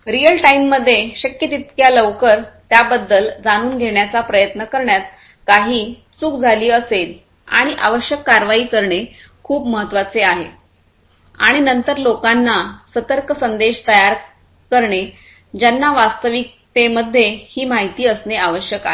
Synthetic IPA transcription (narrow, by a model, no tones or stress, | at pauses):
ɾijəlʈaimːəd̪ʱːjeɕəkjət̪it̪kjaləʋkəɾt̪jabəd̪ːəld͡zaɽ̃uːnɡʱeɳjat͡sapɾəjət̪nəkəɾɳjat̪̚ | kaɦiː | t͡sukd͡zʱaliːəsel | a̰ɽ̃iʔa̰ʋəɕjəkːaɾʋaiːkəɾɳe | kʰuːpməɦət̪ːʋat͡seaɦḛ | a̰ɽ̃inənt̪əɾlokanːasət̪əɾkəsənd̪eɕt̪əjaɾ | kəɾɳe | d͡ʑanːaʋast̪əʋik̚ | t̪eməd̪ʱːjehiːmaɦit̪iːəsneaʋəɕjəkaɦe